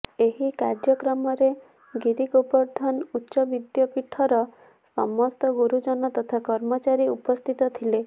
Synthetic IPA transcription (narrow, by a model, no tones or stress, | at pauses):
eɦikaɾd͡ʒjɔkɾɔmɔɾe | ɡiɾiɡopɔɾd̪ʱɔnutːʃɔbid̪jɔpiʈʰɔɾɔ | sɔ̰mɔst̪ɔɡuɾud͡ʒɔnɔt̪ɔt̪ʰakɔɾmɔt͡ʃaɾiupɔst̪ʰit̪ɔt̪ʰile